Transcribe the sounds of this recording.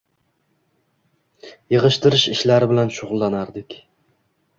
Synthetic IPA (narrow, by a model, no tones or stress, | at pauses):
jɨʁɨʃt̪ʰɪɾɪʃɪʃlaɾɪbɪlanʃʊʁʊlˠːanaɾd̪ɪkʲ